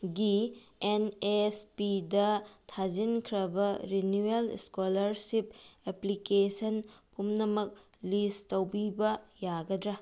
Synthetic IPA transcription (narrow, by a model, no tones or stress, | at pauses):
ɡienespidɐtʰad͡ʒinkʰɾɐbɐɾinuelskolɐɾsipeplikesɐnpʰumnɐmɐk̚ | listɐwbibɐjaɡɐdɾɐ